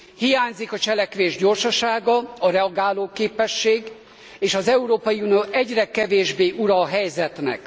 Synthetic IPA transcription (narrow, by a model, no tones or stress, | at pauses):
hijaːɲzikɒt͡ʃɛlɛkʋeːʒɟo̞rʃɒʃaːɡɒɒɾɛɒɡaːloːkeːpɛʃːeːɡ | eːʃɒzɛuɾoːpɒjiunijoʔɛɟrɛkɛveːʒbeːʔuɾɒɦɛjzɛt̪nɛ̰k